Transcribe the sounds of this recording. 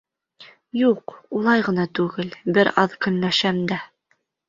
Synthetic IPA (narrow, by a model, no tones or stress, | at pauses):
juqulˠɑjʁɤ̆nɑt̪ʉɡɘlbɘɾɑðkɵ̆nːæʃæmd̪æ